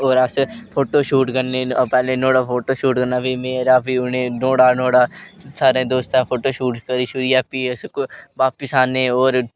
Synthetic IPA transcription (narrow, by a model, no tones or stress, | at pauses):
oːɾəspʰoːʈoːʃuːʈkənːeːpɛːlẽːnoːɽaːpʰoːʈoːʃuːʈkənaːbiːmeːɾaːpiːʊnẽːnoːɽaːnõːɽaːsaːɾẽːd̪oːst̪ãːpʰoːʈoːʃuːʈkəɾiːʃʊɾɪjaːpiːəsʋaːpɪsaːneːoːɾ